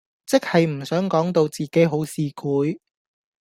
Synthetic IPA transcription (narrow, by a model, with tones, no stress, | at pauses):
t͡sɪ˥k̚hɐ˨jm̩˨˩sœː˨˥ŋkɔː˨˥ŋt̪o˧wt͡siː˨ke˨˥jɦo˨˥wsiː˨kʰuː˨˥j